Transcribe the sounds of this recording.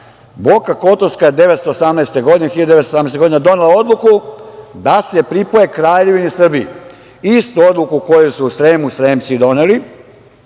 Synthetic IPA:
bokako̞t̪oskaje̞d̪e̞ʋet̪st̪oːsamnaest̪e̞ɡo̞d̪inexiʎad̪esosamnɛeseɡo̞d̪ined̪o̞nelao̞d̪lˠukud̪ase̞pɾipoje̞kɾaːʎe̞ʋinisr̩bii | ist̪uo̞d̪lˠukuko̞jusuːsɾeːmusɾeːmt̪sid̪o̞neli

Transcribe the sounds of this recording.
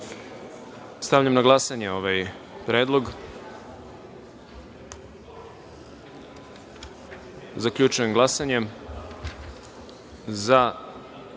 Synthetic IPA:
st̪avʎamnaɡlˠasaɲe̞o̞ʋaj | pɾe̞ːd̪lˠo̞ɡ | zakʎut͡ʃuje̞mɡlˠasaɲe̞m | za

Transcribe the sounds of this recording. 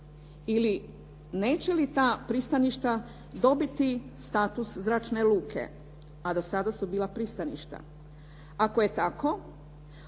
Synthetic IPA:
ili | neːt͡ɕelit̪aːpɾist̪aniʃt̪a | d̪o̞bit̪ist̪aːt̪uszɾat͡ʃne̞luːkʰe̞̰ | ad̪osad̪asubiːlapɾist̪anḭʃt̪a̰ | akoje̞t̪ako̞

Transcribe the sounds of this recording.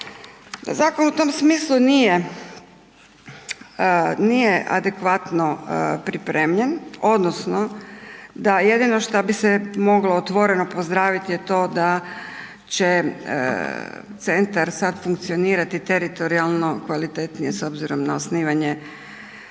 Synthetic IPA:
zaːkonut̪omsmiːslˠunije | nijeʔa̰d̪ekʋat̪no̞pɾipɾeːmʎeno̞d̪nosno | d̪ajed̪ino̞ʃt̪abisemo̞ɡloot̪ʋo̞ɾe̞no̞pozd̪ɾaːʋit̪jet̪o̞ːd̪a | t͡ɕḛ | t̪se̞nt̪aɾsad̪fuŋk̚t̪sio̞niːɾat̪it̪eɾit̪o̞ɾialˠno̞kʋalit̪et̪nijeso̞bziɾo̞mnaosniːʋaɲe

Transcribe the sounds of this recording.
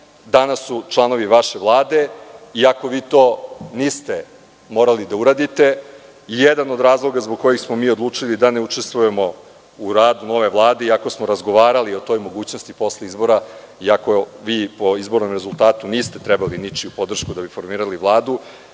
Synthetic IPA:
d̪anasːut͡ʃlˠano̞ʋiʋaʃe̞ʋlˠaːd̪e̞iako̞ʋiːt̪o̞ːniːst̪e̞ | mo̞ːɾalid̪auɾaːd̪it̪e̞ | ijed̪ano̞d̪ɾaːzlˠo̞ɡazboɡ̚ko̞jixsmo̞miːod̪lˠuːt͡ʂilid̪aneut͡ʂest̪ʋuje̞mo̞ | uɾaːd̪uno̞ʋe̞ʋlˠaːd̪e̞iako̞smoɾazɡo̞ʋaːɾalio̞t̪o̞ːjmo̞ɡuːt͡ɕno̞st̪ipo̞slˠeizbo̞ɾa | iako̞ʋiːpoizbo̞ɾno̞mɾe̞zulˠt̪aːt̪uniːst̪e̞t̪ɾɛbalinit͡ʃiupo̞d̪r̩ʃkud̪abifo̞ɾmiːɾaliʋlˠaːd̪u

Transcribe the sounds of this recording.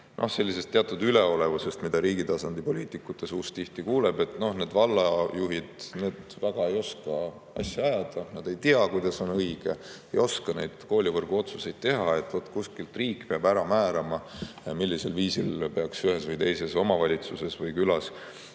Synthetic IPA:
nʔo̞hse̞lːise̞st̪ːeɑt̪ːˑud̪yleo̞le̞vuse̞st̪mid̪̥ɑɾiːɡ̥it̪ɑsɑnd̪̥ipo̞liːt̪ˑikːˑut̪ːˑe̞suːst̪ːiht̪ikuːlebe̞t̪no̞hne̞ːd̪vɑlːɑjuɦid̪̥ne̞ːd̪̥væɡ̥ɑe̞jo̞skɑ | ɑ̰sjɑɑjɑd̪̥ɑnɑd̪̥e̞jt̪iɑkujd̪ɑso̞nɤiɡ̥e̞ejo̞skɑne̞jd̪̥ko̞ːlʲivɤrɡ̥uo̞t̪suse̞jd̪̥̚t̪e̞ɦɑe̞t̪ːˑvo̞t̪ːˑkuskilt̪ˑriːkːpeɑbæɾɑmæːɾɑmɑjɑmilʲːise̞lviːsilpeɑksyɦesvɤjt̪e̞jse̞so̞mɑvɑlʲit̪suse̞svɤjkylɑs

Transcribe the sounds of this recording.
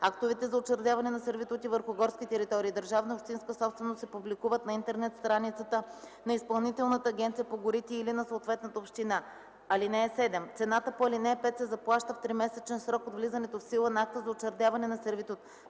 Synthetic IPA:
akt̪ovɛt̪ɛzɐot͡ʃɛɾd̪javɐnɛnɐsɛɾvit̪ut̪ivəɾxʊɡɔɾskʲit̪ɛɾit̪ɔɾiːd̪əɾʒavnəopʃt̪inskəsɔpst̪vɛnost̪sɛpublikuvət̪nɐint̪ɛɾnɛt̪st̪ɾanit̪sət̪ə | nɐispɐlˠnit̪ɛlˠnət̪əːɡʲɛnt̪sijəpoɡʊɾit̪iːlinɐsoːt̪vɛt̪nət̪əopʃt̪ina | ɐlinɛːsɛd̪ɛmt̪sɛnat̪əpoɐlinɛɛpɛt̪sɛzɐplˠaʃt̪əft̪ɾimɛsɛt͡ʃɛnsɾɔkod̪vlizɐnɛt̪ofsilˠənɐak̚t̪əzɐott͡ʃɛɾd̪ʲavɐnɛnɐsɛɾvit̪ut̪

